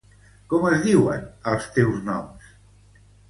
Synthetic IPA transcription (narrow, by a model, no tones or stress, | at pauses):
kɔməzðiwə̰nəlˠst̪ewznɔ̰ms